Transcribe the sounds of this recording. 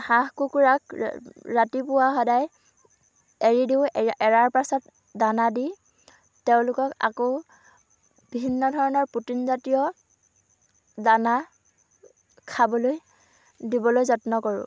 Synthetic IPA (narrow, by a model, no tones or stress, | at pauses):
hãɦkukuɹakɹatipʊwaxɔdaj | eɹidiʊɛɹaɹpasɔt̚ | danadi | teʊ̃lʊkɔka̰ko | bibʱinːɔdʱɔɹɔnɔɹputinzatijɔ | dana | kʰabɔloj | dibɔlojzɔtnɔkɔɹʊ̰